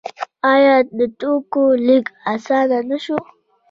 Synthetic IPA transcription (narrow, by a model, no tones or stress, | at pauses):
ɑjɑd̪ət̪okolikasɑd̪anaʃo